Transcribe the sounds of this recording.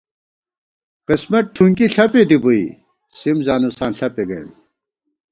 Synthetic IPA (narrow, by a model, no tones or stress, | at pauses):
qismɐʈ̚ʈʰuŋkiɬɐped̪ibui | simzaːnusaːnɬɐpeɡɐj̰n